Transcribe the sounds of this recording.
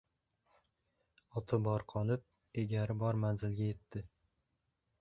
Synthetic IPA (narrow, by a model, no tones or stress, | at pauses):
ɒt̪ʰɪbɒɾqʰɒlˠɪp̚ | eɡʲaɾɪbɒɾmanzɪlɡʲaje̞t̪ːɪ